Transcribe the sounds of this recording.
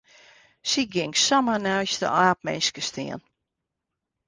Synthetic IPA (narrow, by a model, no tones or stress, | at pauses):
siɡɪŋksamənɛjstə̰aːp̚mɛ̰nskəstʰɪ̰ən